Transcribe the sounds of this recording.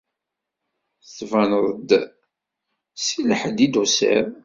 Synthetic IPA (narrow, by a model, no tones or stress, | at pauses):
θvænəðˤəd̪ | siləħəd̪id̪usə̰ɾ